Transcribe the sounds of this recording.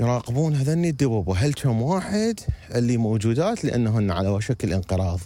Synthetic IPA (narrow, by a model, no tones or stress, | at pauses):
jɾˤɑːqɪbuːnɦaðanːid̪ːawabaɦalt͡ʃamwaːħɪd̪ʔɪlːiːmowd͡ʒuːd̪aːt̪lɪʔa̰nːaɦʊnːaʕa̰lawaʃakɪlʔɪnqɨɾˤɑːðˤ